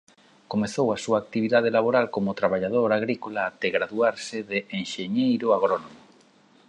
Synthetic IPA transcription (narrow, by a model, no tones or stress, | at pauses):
komeθowasuaːk̚t̪iβ̞iðað̞elaβoɾalkomʊt̪ɾaβaʎað̞oɾaɣɾikolaːt̪eɣɾaðuaɾsɪðɪʔeŋʃeɲejɾʊaɣ̞ɾonomʊ